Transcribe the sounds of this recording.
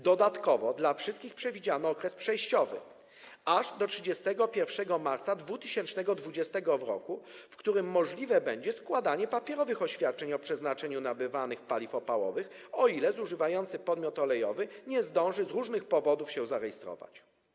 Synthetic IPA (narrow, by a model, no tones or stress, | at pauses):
d̪ɔd̪at̪kɔvɔd̪lafʂɘst̪kʲixpʂɛvʲid͡ʑanɔɔkɾɛspʂɛjɕt͡ɕɔvɘ̰ | aʐd̪ɔtʂɘd͡ʑɛst̪ɛɡɔpʲjɛɾfʂɛɡɔmaɾt̪sad̪vut̪ɘɕɛnt͡ʂnɛɡɔd̪vud͡ʑɛst̪ɛɡɔvɾɔ̰kufkt̪uɾɘmːɔʐlʲivɛbɛɲd͡ʑɛskwad̪aɲɛpapʲjɛɾɔvɘxɔɕfʲjat̪̚t͡ʂɛɲɔpʂɛznat͡ʂɛɲunabɘvanɘxpalʲifɔpawɔ̰vɘxɔilɛzuʐɘvajɔnt̪sɘpɔd̪mʲjɔt̪ɔlɛjɔvɘɲɛzd̪ɔ̃w̃ʐɘzɾuʐnɘxpɔvɔd̪ufɕɛ̃zaɾɛjist̪ɾɔ̰va̰t͡ɕ